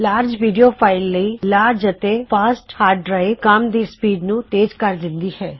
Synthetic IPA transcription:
laːɾd͡ʒʋiːɖijoːpʰaːɪlːəiːlaːɾd͡ʒət̪epʰaːsʈhaːɾɖɾaːikəmd̪iːspiːɖnũːt̪eːd͡ʒkəɾd̪ɪ̃nd̪iːhɛː

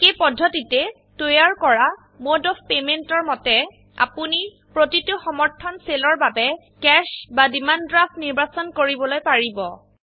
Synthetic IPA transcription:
xejpɔdʱːɔtitɛ | tojaɹkɔɹa | modɔfpementɔɹmɔtɛ | a̰puni | pɹotitʊxɔmɔɹtʰɔnselɔɹbabɛ | kɛʃbadimandɹafniɹbasɔnkoɹibɔlojpaɹibɔ

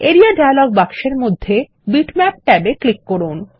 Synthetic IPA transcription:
eɾiaɖajlɔɡbakʃeɾmod̪ʱːe | biʈmɛp̚ʈɛbeklikːoɾun

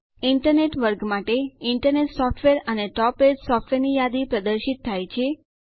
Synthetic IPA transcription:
ɪɳʈəɾneʈʋəɾɡmaʈeɪɳʈəɾneʈsɔfʈʰʋeɾəneʈɔpeʈsɔfʈʋeɾnijad̪ipɾəd̪əɾʃit̪ʰːajt͡ʃʰe

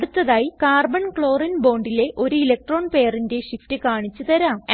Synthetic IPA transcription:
ɽut̪ːɐðaːjikaːrbɐɳkɭo̞ːrɐnbo̞ːɳɖile̞ʔo̞ɾuilɐk̚ʈro̞ːɳpe̞ːjɐrinde̞ɕiftɨkaːɳit͡ɕːut̪ɐɾaːm

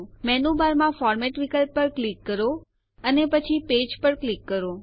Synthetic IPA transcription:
mɛnubaɾmãfɔɾmɛʈʋikəlpːəɾklikːəɾo | ənepət͡ʃʰiped͡ʒpəɾklikːəɾo

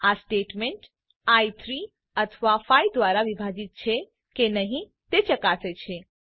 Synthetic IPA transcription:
asʈeːʈmeɳʈ | ait̪ʰɾi | ət̪ʰʋafaid̪ʋaːɾaʋibʱaːd͡ʒit̪̚t͡ʃʰe | kenəɦĩ | t̪et͡ʃɐkaːset͡ʃʰe

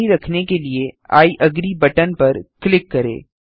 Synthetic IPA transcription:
iɾɐkʰnekeliea̰ːiʔɐɡɾibɐʈənpɐɾklɪkːɐɾḛː

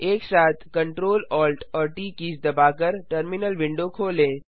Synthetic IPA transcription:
eːksaːt̪ʰkɐ̃ɳʈɾoːlɔːlʈɔːɾʈiːkiːsd̪ɐbaːkəɾʈəɾmɪnəlʋɪ̃ɳɖokʰoːlẽː

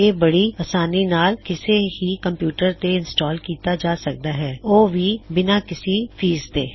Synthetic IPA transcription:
eːbɐɽiaːsaːninaːlkɪseɦikɐ̃mpjuːʈəɾt̪eɪ̃nsʈɔːlkiːt̪ad͡ʒaːsɐk̚d̪aɦɛːoːʋʱibɪnakɪsifʰiːzt̪eː

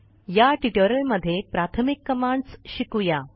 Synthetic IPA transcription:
jaʈiʈəɾəlməd̪ʱːjepɾat̪ʰəmikːəmaɳɖsɕikuja

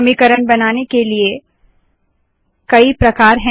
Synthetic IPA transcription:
mikəɾənbɐnaːnekelie | kɐipɾɐkaːɾɦɛ̃

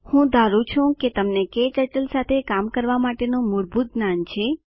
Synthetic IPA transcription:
hũd̪aɾũt͡ʃʰũket̪əmneket͡ʃəʈəlsat̪ʰekamkəɾʋamaʈenũmʊɾbut̪̚ɡnant͡ʃʰe

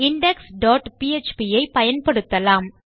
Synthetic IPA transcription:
ɪɳɖɛksɖoːʈpiːet͡ʃpijɐɪpɐjɐnpɐɽɯt̪ːɐlaːm

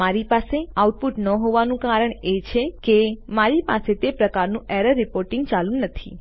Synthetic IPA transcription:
aɾipaseauʈ̚puʈnəɦoʋanũkaɾəɳet͡ʃʰekemaɾipa̰set̪epɾəkaɾnũeɾəɾːɪpoɾʈĩŋɡt͡ʃalũnət̪ʰḭ

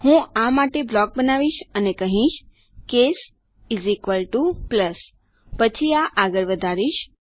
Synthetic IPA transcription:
hũamaʈeblɔk̚bənaʋiʃənekəɦĩʃ | kes | izikʋəlʈupləs | pət͡ʃʰiaʔaɡəɾʋəd̪ʱaɾiʃ

